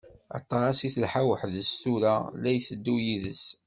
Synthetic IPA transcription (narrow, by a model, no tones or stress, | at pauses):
ɑ̰t̪ˤːɑɾˤɑsiθəlħawəħðəst̪uɾalæjθəd̪ːujiðəs